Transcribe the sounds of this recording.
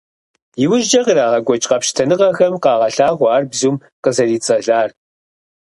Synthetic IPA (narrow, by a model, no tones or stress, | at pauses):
jɪwʊʒd͡ʒɐqəɾaːʁɐɡʷɔt͡ʃʼqɐpʃtʰɐnɨʁɐxɐmqɑːʁɐɬaːʁʷɑːrbzuːm | qəzɐriːt͡sʼɐɮaːr